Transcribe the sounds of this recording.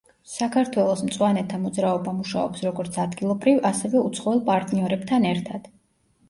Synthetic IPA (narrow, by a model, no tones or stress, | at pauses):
sakʰaɾt̪ʰwɛlˠɔsmt̪sʼwanɛt̪ʰamɔd̪zɾaɔbamuʃa̰ɔpsɾɔɡɔɾt̪sʰad̪ɡilˠɔbɾivasɛvɛut̪sʰχɔɛlˠpʼaɾt̪ʼniɔɾɛbt̪ʰanɛɾt̪ʰad̪̥